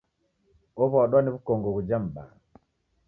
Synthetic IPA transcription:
ɔβɔɗwaniβukɔŋɡɔɣud͡ʒam̩ba̰

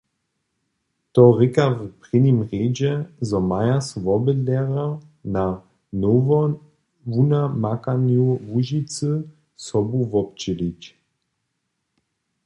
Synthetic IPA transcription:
t̪ɔʁɪkavpʁinimʁeːd͡ʒɛzɔmajasvɔbədlɛʁa | na | novɔ | vunamakanjuvuʒit͡sə | sɔbuvɔp̚t͡ʃilic

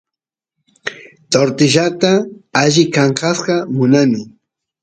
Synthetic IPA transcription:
t̪oɾt̪ɪʒat̪aaʒɪkaɴqɑsqɑmʊnamɪ

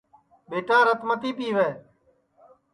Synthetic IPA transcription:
ɓeːʈãːɾət̪mət̪iːpiːʋeː

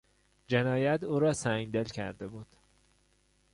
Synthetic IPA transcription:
d͡ʒe̞nɒːjæt̪ʰuːɾɒːsæŋɡd̪e̞lcʰæ̰ɾd̪e̞buːd̪̥

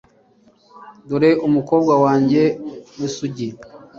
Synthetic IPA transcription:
duɾeʔumuko̞ːbɡwawaːɲɟe̞nisuɟi

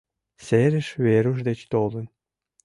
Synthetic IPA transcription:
seɾɘ̆ʃβeɾuʃd̪et͡ɕt̪olə̆n

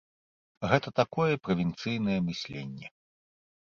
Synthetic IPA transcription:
ɣɛt̪ɐt̪akɔjɛpɾɐvʲint̪sɨjnɐjɛmɨsʲlʲḛnʲːɛ

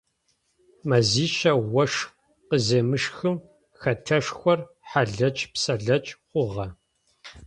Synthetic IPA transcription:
mɐziːʃɐwɐʂ | qəzeːmɨʂxɨm | xɐtʰɐʂxʷɔr | ħaɮɐt͡ʃʼpsɐɮɐt͡ʃʼχʷʊʁɐ

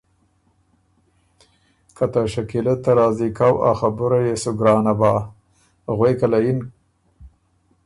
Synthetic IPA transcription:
kʰat̪aʃakilat̪ːaɾɑːzikawa̰xabʊɾajesʊɡɾɑːnabɑː | ɣwejkalajin

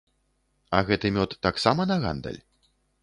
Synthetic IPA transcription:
ɐɣɛt̪ɨmʲɔt̪ːaksamɐnɐɣa̰nd̪ɐ̰lʲ

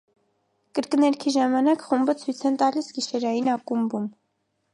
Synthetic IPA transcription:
kəɾknɛɾkʰiʒɑmɑnɑkχumbət͡sʰujt͡sʰɛnt̪ɑlisɡiʃɛɾɑjinɑkumbum

